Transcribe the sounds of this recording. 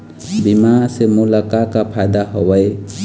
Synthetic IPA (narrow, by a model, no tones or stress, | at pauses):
bimasemulakakapʰajd̪aɦɔwəj